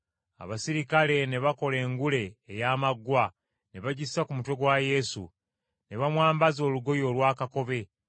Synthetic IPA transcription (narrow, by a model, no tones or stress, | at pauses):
a̰βasiɾikale̞ne̞βako̞le̞ːŋɡule̞ːjaːmaɡːwa | ne̞βaɟisːakumutwe̞ɡwaje̞sṵ | ne̞βamwaːmbazo̞ːluɡo̞jo̞ːlwaːkako̞βe̞